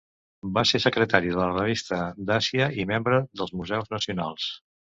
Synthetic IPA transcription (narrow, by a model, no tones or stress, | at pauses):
basesəkɾət̪aɾiðələrəβ̞ist̪əd̪asiəimembɾəðəlˠzmuzɛwznəsiunalˠs